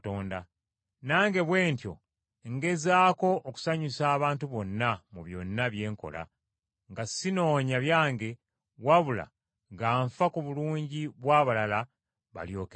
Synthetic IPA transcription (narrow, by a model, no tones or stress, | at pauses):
toːnda | naːŋɡe̞βwe̞ːntjo̞̰ | ŋɡe̞zaːko̞ʔːku̥saɲusaːβaːntuβo̞nːamuβjo̞̰nːaβje̞ːŋko̞̰la̰ | ŋɡasino̞ːɲaβjaːŋɡe̞ | waβula̰ | ŋɡaːɱfakuβuluːɲɟiβwaːβalala | βa̰ljo̞ːk